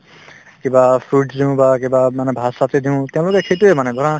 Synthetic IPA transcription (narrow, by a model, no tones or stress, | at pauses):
kibapʰuɖdiʊ̃bakibamanɛbʱasatidʱiʊ̃t̪ɛ̃ãʊ̃lʊkɛkʰejtuɛmanɛɡʱɔɹã